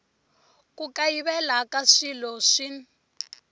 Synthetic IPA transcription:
kukaiβɛlakaʂilɔʂin

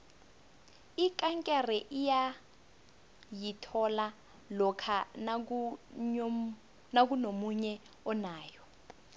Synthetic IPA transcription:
ikʼaŋkʼɛrɛʔija | jitʰɔla | lɔkʰa | nak̬unomuɲɛ | ɔnaːjɔ

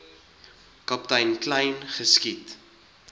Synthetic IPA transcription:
kɐptɐjnklɐjnχəskit

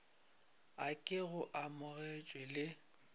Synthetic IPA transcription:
akʼɪɣʊʔamʊɣɛt͡ʃʼwɛlɪ

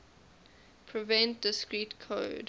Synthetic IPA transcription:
pʰɹɪvɛ̃nt̚dɪskɹiːtkʰo̰ːd

